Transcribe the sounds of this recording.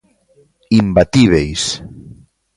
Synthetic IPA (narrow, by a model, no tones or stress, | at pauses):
imbat̪iβ̞ejs